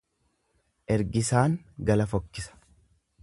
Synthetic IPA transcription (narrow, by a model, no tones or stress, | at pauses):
ʔɛɾɡɪsaːŋɡɐlɐfɔkːɪsɐ̥